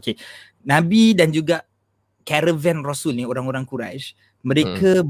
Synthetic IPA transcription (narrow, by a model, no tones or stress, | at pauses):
oke | nãbidand͡ʒuɡaʔ | kɛɾəvɛnrosulnioɾaŋoɾaŋkuɾa̰ʃ | mə̃ɾekəb